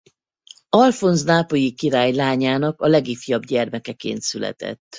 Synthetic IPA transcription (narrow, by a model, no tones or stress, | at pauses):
ɒlfo̞nznaːpo̞jikiɾaːjlaːɲaːnɒkɒlɛɡifjɒbɟɛrmɛkɛkḛːnt̪sylɛ̰t̪ɛ̰t̪ː